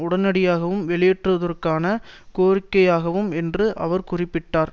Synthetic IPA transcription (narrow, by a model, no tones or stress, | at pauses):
ʊɽɐnɐɽɪjaːɣɐʋɯmʋɛɭɪjɛʈrɯɐðɐrkaːnɐkoːrɪkːɐjaːɣɐʋɯmɛndrɯʔɐʋɐɾkʊrɪpːɪʈːaːɾ